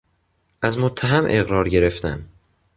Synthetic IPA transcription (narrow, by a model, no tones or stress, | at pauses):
ʔæzmot̪ʰːæɦæmʔe̞ɣɾɒːɾɟe̞ɾe̞ft̪æm